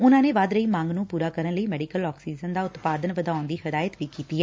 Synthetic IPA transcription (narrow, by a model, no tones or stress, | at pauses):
ʊnãːneːʋaːd̪ɾəiːmãːŋɡnũːpuːɾaːkəɾənləiːmɛːɖɪkəlɔːksiːzənd̪aːʊt̪paːd̪ənʋəd̪aːʊnd̪iːhəd̪aːjət̪ʋiːkiːt̪iːɦɛː